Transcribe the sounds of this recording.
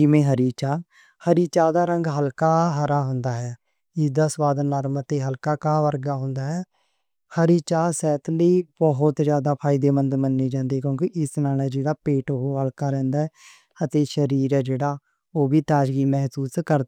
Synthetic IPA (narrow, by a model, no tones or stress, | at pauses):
d͡ʒɪmẽːɦəɾiːt͡ʃaː | həɾiːt͡ʃaːd̪aːɾəŋɡɦəlkaːɦəɾaːɦʊnd̪aːɦɛː | ɪsd̪aːsʋaːd̪nəɾmət̪eːɦəlkaːkaːʋəɾɡaːɦʊ̃nd̪aːɦɛː | həɾiːt͡ʃaːsɛːt̪ʰliːbɔɦʊt̪zjaːd̪aːpʰaːɪd̪eːmənd̪mənːeːd͡ʒãːnd̪eːkjõːkiʔɪsnaːlɛːd͡ʒeːɽaːpeːʈoɦoːɦəlkaːɾɛ̃ːnd̪aːɛː | ət̪eːʃəɾiːɾɛːd͡ʒeːɽaː | oːbiːt̪aːd͡ʒɡiːmɛɦsuːskəɾ